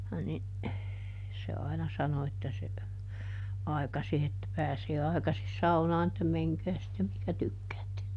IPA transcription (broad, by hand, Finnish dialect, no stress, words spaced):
ni se ɑinɑ sɑno etːæ se ɑikɑsi etːæ pæːseː ɑikɑsis sɑunɑːn etːæ meŋkæː sitːem mihkæ tykːæːtːe